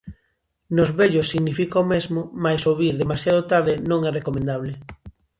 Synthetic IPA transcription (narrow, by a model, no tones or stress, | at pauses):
nozβeʎosːiɣnifikaomezmomajsoβiɾðemasjaðot̪aɾðenõŋɛrekomẽnd̪aβ̞le